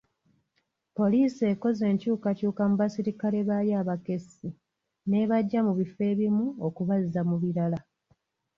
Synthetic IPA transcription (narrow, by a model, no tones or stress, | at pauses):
po̞liːse̞ːko̞ze̞ːɲcuːkacuːkamuβasiɾikale̞βajaːβake̞si | ne̞βaɟːamuβife̞ːβimuokuβazizamuβiɾala